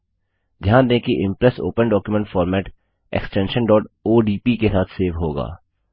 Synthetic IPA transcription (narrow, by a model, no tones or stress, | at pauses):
d̪ʱjaːnd̪ẽːkiʔɪ̃mpɾɛso̰ːpə̃nɖɔːkjumẽɳʈfɔːɾmɛːʈ | ḛksʈɛ̃ːnʃənɖɔːʈoːɖiːpikesaːt̪ʰseːʋɦoːɡa̰ː